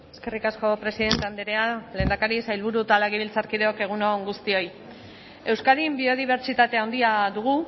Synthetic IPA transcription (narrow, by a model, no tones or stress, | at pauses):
eske̞rikasko̞pɾe̞siðe̞nt̪eand̪eɾeale̞ːnd̪akaɾisajlβ̞uɾut̪alaɣiβilt͡saɾkiðeo̞ke̞ɣ̞uno̞ŋɡust̪io̞j | e̞wskaðimbio̞ð̞iβ̞e̞ɾt͡ʃit̪at̪eawnd̪iaðuɣu